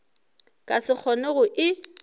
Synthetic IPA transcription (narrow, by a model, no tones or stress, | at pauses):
kʼasɪk͡xʰɔnɛɣʊʔɪ